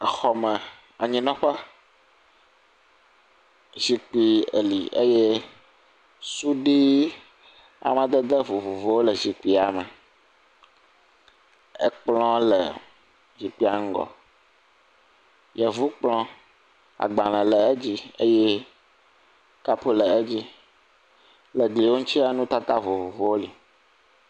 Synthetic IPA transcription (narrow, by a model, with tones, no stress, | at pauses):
xɔ˨mɛ˨ | a˨ɲĩ˨nɔ̃˦ɸa˦ | ʒi˨k͡pi˨ḛ˨lḭ˨e˦je˦ | su˦ɖi˦ | a̰˨mã˨d̪ɛ˦d̪e˦vu˨vu˨vo˦wo˦lə˨zi˨k͡pi˨a˨mɛ˨ | ə̰˦k͡plɔ̃˦lə̰˨ | d͡ʑi˨k͡pi˦a˨ŋ̩˦ɡɔ̰˨ | jɛ˨vu˦k͡plɔ̃˦ | a̰˨ɡ͡ba˨l̃ɛ̃˨lɛ˨e˦d͡ʑi˦ə˦jɛ˦ | ka˦pu˦lə˨e˦d͡ʑi˦ | lə˨ɡli˨wo˦ŋ̩̃˦t͡ɕi˦a˨nũ˦t̪a˦t̪a˦vo˨vo˨vo˨wo˦li˨